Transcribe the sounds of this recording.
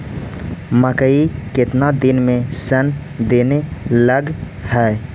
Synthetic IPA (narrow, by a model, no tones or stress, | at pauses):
məkəikɪt̪nad̪ɪnmẽsən | d̪eːneləɡ | hɛː